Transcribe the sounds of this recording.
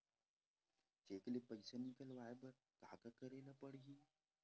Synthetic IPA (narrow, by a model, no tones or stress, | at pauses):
d͡ʒeːklepəɪsenɪkəlʋaːebəɾ | t̪aːkakəɾeːlapəɽɡiː